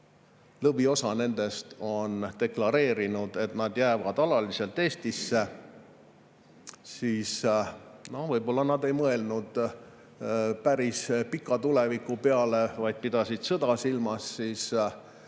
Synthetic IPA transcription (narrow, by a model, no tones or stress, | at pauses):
lɤbvio̞sɑne̞nd̪̥e̞st̪o̞nt̪e̞klɑɾe̞ːɾinud̪̥e̞t̪nɑd̪jæːvɑd̪̥ɑlɑlise̞lt̪ːˑe̞ːst̪isːe̞ | siːs | no̞hvɤjbo̞lːɑnɑd̪e̞jmɤe̞lnud̪̥ | pæɾispikːˑɑt̪ule̞vikːˑupeɑle̞vɑjd̪̥̚pid̪̥ɑsid̪̥sɤd̪̥ɑsilmɑsːiːs